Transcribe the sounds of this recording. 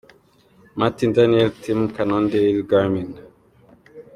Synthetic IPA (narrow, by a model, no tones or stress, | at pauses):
matindaniɛltʰimkanɔndeilɡaɾmin